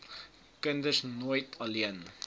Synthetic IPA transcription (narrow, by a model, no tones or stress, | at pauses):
kəndəsnuəjtʰɐliən